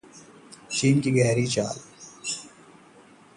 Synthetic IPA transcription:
ʃiːnkiɡɛːɾiːt͡ɕa̰ːl

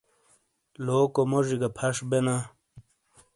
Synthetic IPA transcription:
loːkomoʐiɡapʰɐʂbena

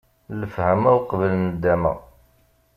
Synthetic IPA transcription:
ləfhəmæwqvəlnəd̪ːæmə̰ʁ

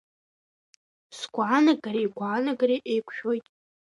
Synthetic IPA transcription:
sɡʷaːnaɡaɾejɡʷaːnaɡariʔejkʷʰʃᶣo̞jtʼ

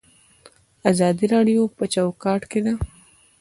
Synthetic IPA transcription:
azɑd̪iɾɑɽijopət͡ʃawkɑʈked̪a

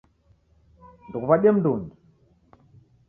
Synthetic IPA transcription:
ndukuβaɗɛm̩duŋi

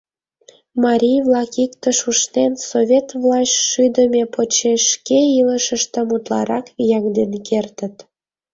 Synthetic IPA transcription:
mɑɾʲijvlɑkikt̪əʃuʃnensovʲet̪vlɑɕʃyd̪əmʲepot͡ɕeʃkeiləʃəʃt̪ə̆mut̪lɑ̰ɾɑkjɑŋd̪enkert̪ə̆t̪

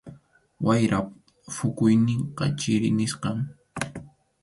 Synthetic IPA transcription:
wajɾa | fʊkʊjnɪɴqɑ̰t͡ʃɪɾɪnɪsqɑŋ

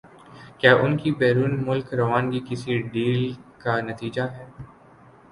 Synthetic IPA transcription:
kjaːʔʊnkibɛːɾuːnmʊlkɾɐʋaːnɡikɪsiɖiːlkanɐt̪iːd͡ʒaɦɛː

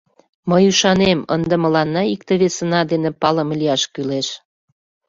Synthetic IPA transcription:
məjuʃɑnemə̰nd̪ə̆mə̆lɑnːɑik̚t̪eβesə̆nɑd̪enepɑlə̆mlijɑʃkyleʃ

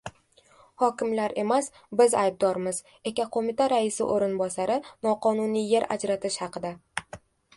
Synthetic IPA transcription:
hɒkʲɪmlaɾʔe̞mas | bɪzajb̚d̪ɒɾmɪz | e̞kʲaqʰomɪt̪ʰaɾaɪsɪ̰ʔoɾɪnbɒsaɾɪnɒqʰɒnunije̞ɾa̰d͡ʒɾat̪ʰɪʃhɑqʰɨd̪a

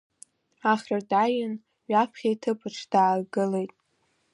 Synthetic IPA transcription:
aχʲrardajɪn | ɥapʰχʲajtʰɨpʰʼɨʈ͡ʂʰd̥aːɡɨlejtʼ

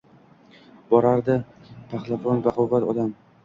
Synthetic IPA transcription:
bɒɾaɾd̪ɪpʰaχlˠafɒnbaqowvat̪ɒd̪am

